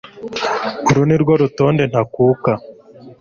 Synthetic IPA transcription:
uɾuniɾɡwoɾuto̞ːnde̞n̥hakuːka

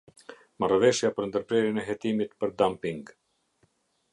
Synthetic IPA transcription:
marvɛʃjapəɾnd̪əɾpɾɛɾjɛnɛɦɛt̪imit̪pəɾd̪ampiŋɡ

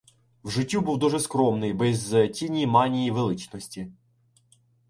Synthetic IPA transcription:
wʐɪtʲːubuwd̪ɔʐɛskɾɔmnɪjbɛzʲtʲinʲijmanʲijiʋelˠɪt͡ʃnɔsʲtʲi

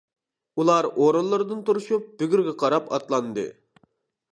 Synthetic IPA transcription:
ulˠɑɾoɾɨnlˠɨɾɨd̪ɨnt̪uɾuʃup̚b̥yɡʲyɾɡʲɛqʰɑɾɑpɑ̰t̪lˠɑnd̪ɨ̰

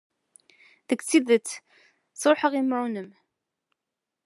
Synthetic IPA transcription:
ðəkːt͡sːiðət͡sː | sɾˤoħəʁimɾunəm

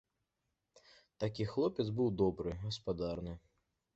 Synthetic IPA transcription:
t̪akʲixlˠɔpʲɛd̪zbɨwd̪ɔbɾɨɣɐspad̪arnɨ

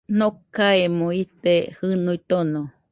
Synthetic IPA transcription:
nokaemõit̪ehɨnuit̪ono

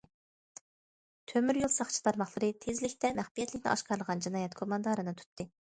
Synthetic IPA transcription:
t̪ʰømyɾjolˠsɑχt͡ʃʰi̥t̪ʰɑɾmɑχlˠəɾɨt̪ʰezlɪkʲt̪ɛmæχbijɛt̪ʰlɪkʲnɪ̰ʔɑ̰ʃqɑɾlˠəʁɑnd͡ʒinɑːjɛt̪kʰomɑnd̪ɑɾɨnɨt̪ʰy̥t̪ʰːɨ

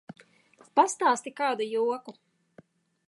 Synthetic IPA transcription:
past̪aːst̪ikaːd̪ujuɔku

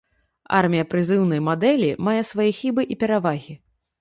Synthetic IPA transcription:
a̰rmʲijɐpɾɨzɨwn̪ɐjmad̪ɛlʲimajɛsvajixʲibɨʔipʲɛɾavaɣʲi

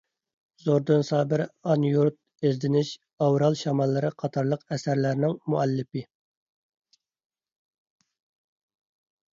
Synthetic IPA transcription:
zoɾd̪ɨnsɑːbɪɾɑnjuɾt̪̚ | ezd̪ɪnɪʃ | ɑwɾɑlˠʃɑmɑlˠːɨɾɨqʰɑt̪ʰɑɾlˠəqɛsæɾlæɾnɪŋmuɛlːɪpɪ

